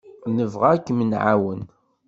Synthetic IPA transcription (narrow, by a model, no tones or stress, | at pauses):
nəvʁakːmənʕawən